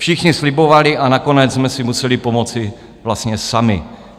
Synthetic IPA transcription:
fʃɪxɲɪslɪbovalɪʔanako̞nɛd͡zzmɛsɪmusɛlɪpo̞mot͡sɪ | vlast̪ɲɛsamɪ̰

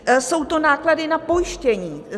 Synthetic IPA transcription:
so̞wt̪o̞naːkladɪnapo̞jɪʃcɛɲiː

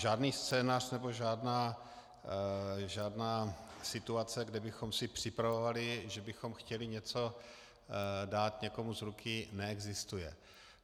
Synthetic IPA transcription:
ʒaːdniːst͡sɛːnar̥nɛbo̞ʒaːdnaː | ʒaːdnaːsɪt̪uat͡sɛɡdɛbɪxo̞msɪpr̥ɪpɾavovalɪʒɛbɪxo̞mxcɛlɪɲɛt͡so̞ | daːt̪ɲɛko̞muzɾukʰɪnɛɛɡzɪst̪ujɛ̰

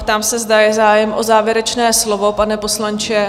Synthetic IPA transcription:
pt̪aːmsɛzdajɛzaːjɛmʔozaːvjɛɾɛt͡ʃnɛːslovo̞panɛpo̞slant͡ʃɛ

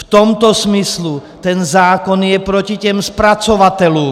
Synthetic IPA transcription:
ft̪ɔmt̪ɔzmislu | t̪ɛnzaːkɔnjɛpɾɔcicɛmspɾat͡sɔʋat̪ɛluː

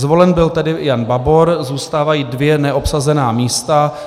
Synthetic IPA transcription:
zvo̞lɛnbɪlt̪ɛdɪjanbabo̞ɾzuːst̪aːvajiːdvjɛnɛʔo̞psazɛnaːmiːst̪a

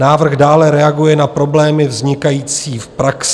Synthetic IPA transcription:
aːvr̩ɣdaːlɛɾɛaɡujɛnapɾo̞blɛːmɪvzɲɪkajiːt͡siːfpɾaks

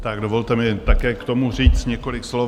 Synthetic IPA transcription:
t̪aɡdovo̞lt̪ɛmɪt̪akɛːkt̪o̞mur̝iːt͡st̪ɲɛko̞lɪkslo

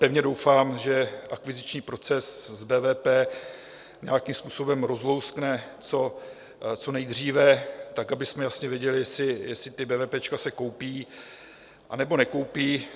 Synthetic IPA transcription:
pɛvɲɛdo̞wfaːmʒɛʔakvɪzɪt͡ʃɲiːpɾo̞t͡sɛszbɛːvɛːpɛː | ɲeakimspuːso̞bɛmɾo̞zlo̞wsknɛ | t͡so̞ | t͡so̞nɛjd̪r̝iːvɛt̪akabɪsmɛjasɲɛvjɛɟɛlɪjɛsɪjɛsɪt̪ɪbɛːvɛːpɛːt͡ʃkasɛko̞wpiː | ʔanɛbo̞nɛko̞wpiː

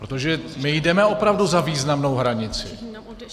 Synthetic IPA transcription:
pɾot̪o̞ʒɛmɪjdɛmɛo̞pɾavduzaviːznamno̞wɦɾaɲɪt͡sɪ̰

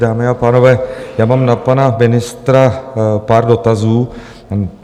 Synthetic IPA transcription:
daːmɪapaːno̞vɛːjaːmaːmnapanamɪnɪst̪ɾapaːɾdo̞t̪azuː

